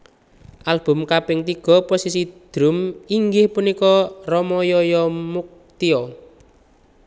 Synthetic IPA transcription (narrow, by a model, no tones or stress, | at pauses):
ʔalb̥ʊ̤mkapɪŋt̪iɡ̥ɔ̤posisid̪̥ɾʊ̤miŋɡɪhpunikɔrɔmɔjɔjɔmuk̚t̪iɔ